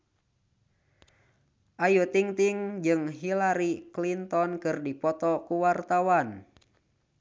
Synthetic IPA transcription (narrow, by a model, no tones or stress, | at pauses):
ʔajut̪iŋt̪iŋd͡ʒɨŋɦilaɾiklint̪ɔnkɨrdipɔt̪ɔkuwart̪awan